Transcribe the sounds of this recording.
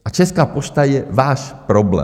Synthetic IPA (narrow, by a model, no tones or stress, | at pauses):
ʔat͡ʃɛskaːpoʃt̪ajɛvaːʃpɾoblɛ̰